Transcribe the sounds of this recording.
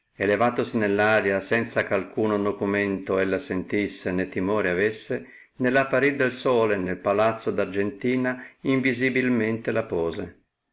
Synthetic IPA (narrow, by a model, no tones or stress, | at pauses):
elevaːt̪osinelːaːɾjasɛnt̪sakalkuːnonokumɛnt̪oɛlːasent̪isːenet̪ːimɔːɾeavesːe | nelapːaɾid̪ːelsɔːlenelpalat̪sːod̪ard͡ʒent̪iːnaiɱvizibilment̪elapɔːze